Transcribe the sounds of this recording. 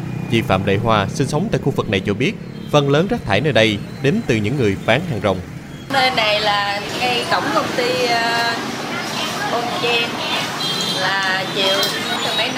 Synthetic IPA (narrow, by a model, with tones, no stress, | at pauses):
t͡ɕḭ˧˩fa̰ː˧˨mɗə̰˧˨jɦwaː˧˩si˧ŋ̟sə˨˦wŋ͡mt̪a̰ː˧˨jxu˧vɨ˨˩k̚na˨˩jt͡ɕɔ˧ɓi˦˥ət̚ | fə˧nləː˨˦nzaː˦˥k̚t̪ʰaː˧˩jnəː˧jɗə˧jɗe˨˦nt̪ɨ˨˩ɲɨ̰˧˥ŋːɨ˨˩əjɓaː˨˦ŋɦaː˨˩ŋzə̰˨˩wŋ͡m | nəː˧jna˨˩jlaː˨˩ŋə˧jk̪ə˧˩wŋ͡mk̪ə˧wŋ͡mt̪i˧ | ɓo˧nt͡ɕi˧n | laː˨˩t͡ɕḭ˧˨əw | ma˨˦